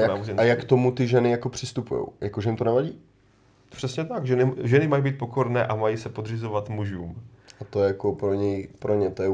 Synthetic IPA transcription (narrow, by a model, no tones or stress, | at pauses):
jaamajakt̪o̞mut̪ɪʒɛnɪjako̞pr̥ɪst̪upujo̰wjakoʒɛjimt̪onɛvaɟiː | pr̥ɛsɲɛt̪akʒɛnɪʒɛnɪmajibiːt̪̚po̞ko̞ɾnɛːʔamajisɛpod̪r̝ɪzovat̪muʒuːmat̪ojɛjakopɾoɲɛjpɾoɲɛt̪ojɛ